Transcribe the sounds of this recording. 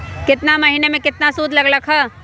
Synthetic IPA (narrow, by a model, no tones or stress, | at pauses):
kɪt̪namɐɦiːnemẽkɪt̪nasuːd̪ʱlɐɡlɐkʰɦə